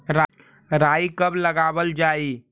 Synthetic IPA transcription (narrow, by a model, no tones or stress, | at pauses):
ɾa | ɾaikəbləɡaːʋəld͡ʒaːi